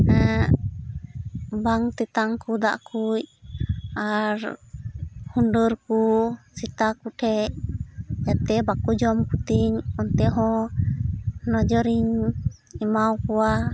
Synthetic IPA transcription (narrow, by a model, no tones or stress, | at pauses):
ɛ | baŋt̪ɛt̪aŋkud̪a̰ʔkuc | aɾ | huɳɖəɾkusit̪akuʈʰɛc | jat̪ɛbakud͡ʒɔmkut̪iɲɔnt̪ɛɦɔ̃ | nɔd͡ʒɔɾiɲ | ɛmawkɔwa